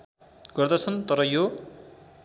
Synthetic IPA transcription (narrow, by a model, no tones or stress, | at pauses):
ɡ̥ʌrd̪ʌt͡sʰʌnt̪ʌɾʌjo